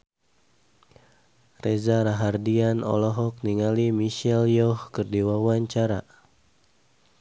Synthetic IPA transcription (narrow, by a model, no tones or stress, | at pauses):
rezaɾaɦardianɔ̰lɔɦɔk̚niŋalimiʃɛljɔhkərdiwawaɲt͡ʃaɾa